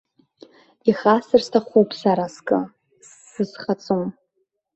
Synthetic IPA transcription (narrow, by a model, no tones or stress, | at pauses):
iχasɨrstʰaχʷupʰsaɾaskʼɨ | sːɨsχat͡sʼum